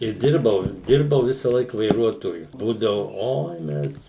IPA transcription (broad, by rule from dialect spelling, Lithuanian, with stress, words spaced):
ɪ ˈdʲɪrbɐʊ ˈdʲɪrbɐʊ ˈʋʲɪsɐlˠɐɪk ʋɐɪˈruɔtoːjʊ ˈbuːdɐʋʊ ˈoːɪ ˈmʲɛs